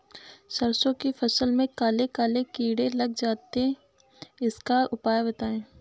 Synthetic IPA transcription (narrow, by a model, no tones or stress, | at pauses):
sɐɾsõkifʰɐsəlmẽkaːlekaːlekiːɽelɐɡ̚d͡ʒaːt̪e | ɪskaʊpaːjabɐt̪aːẽː